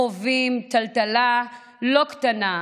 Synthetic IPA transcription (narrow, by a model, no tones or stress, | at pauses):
ovimtaltala | loktana